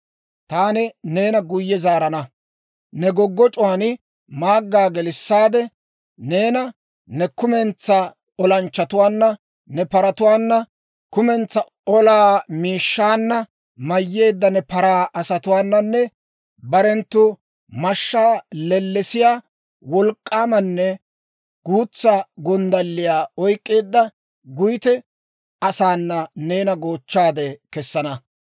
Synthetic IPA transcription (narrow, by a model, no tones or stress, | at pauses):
t̪aːnɪne̞ːnɐɡʊjːɛzaːɾɐnɐ | nɛɡɔɡːɔt͡ʃʼʊwaːnɪ | maːɡːaːɡɛlɪsːaːd̪ɛ | ne̞ːnɐ | nɛkʊmɛnt͡sːɐ | ɔlɐnt͡ʃːɐt̪ʊwaːnːɐ | nɛpɐɾɐt̪ʊwaːnːɐ | kʊmɛnt͡sːɐ | ɔlaːmiːʃːaːnːɐ | mɐjːe̞ːd̪ːɐnɛpɐɾaːʔɐsɐt̪ʊwaːnːɐnːɛ | bɐɾɛnt̪ːʊ | mɐʃːaːlɛlːɛsɪjaː | wɔlkʼːaːmɐnːɛ | ɡ̥uːt͡sːɐɡɔnd̪ɐlːɪjaːɔjkʼːe̞ːd̪ːɐ | ɡʊjɪt̪ɛ | ɐsaːnːɐneːnɐɡoːt͡ʃːaːd̪ɛkɛsːɐnɐ